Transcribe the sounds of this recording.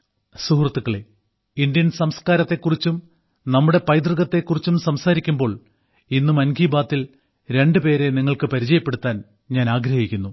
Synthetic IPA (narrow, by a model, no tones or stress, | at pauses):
suhrɐt̪ːukːɐɭe | ind̪jɐnsɐmskaːɾɐt̪ːe̞kːurit͡ɕːum | nɐmːuɽe̞pɐjd̪̬rɨɣɐt̪ːe̞kːurit͡ɕːumsɐmsaːɾikʲːumbo̞ːɭ | inːumɐnɡiːbaːt̪ːil | ɾe̞ɳɖɨpe̞ːɾe̞niŋːɐɭkɨpɐɾit͡ɕɐjɐpːe̞ɽut̪ːaːn | ɲaːnaːɡɾɐhikʲːunːu